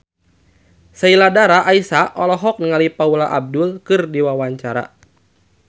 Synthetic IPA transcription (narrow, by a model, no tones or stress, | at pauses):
sailadaɾaʔaisaɔlɔɦɔk̚nəŋalipaulaʔab̚dʊlkɨrdiwawaɲt͡ʃaɾa̰